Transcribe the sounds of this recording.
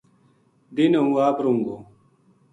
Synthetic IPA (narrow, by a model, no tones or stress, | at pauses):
d̪inɐɦũːaːbɾuŋɡo